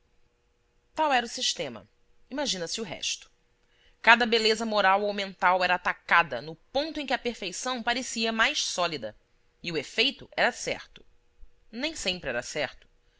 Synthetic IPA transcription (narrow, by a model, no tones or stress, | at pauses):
t̪awɛɾɐʊsiʃt̪ẽmɐ̰ | imaʒĩnɐsɪʊɦɛ̰ʃt̪ʊ̥ | kad̪ɐbelezɐmoɾawowmẽnt̪awɛɾɐaːt̪akad̪ɐ̰nʊpõnt̪ʊẽkʲɪɐpeɾfejsɐ̃w̃paɾesiɐmajʃsɔlid̪ɐ | ɪʊefejt̪ʊɛɾɐsɛ̰ɾt̪ʊ̥ | nẽj̃sẽmpɾɪɛɾɐsɛɾt̪ʊ̥